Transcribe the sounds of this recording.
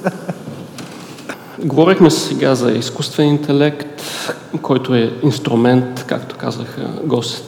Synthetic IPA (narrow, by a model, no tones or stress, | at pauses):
ɡovɔɾixmɛsɛɡazɐiskust̪vɛnint̪ʰɛlɛkt̪ | kʰɔjt̪oɛinst̪ɾumɛnt̪ka̰kt̪o̥ka̰zə̰xə̰ɡɔs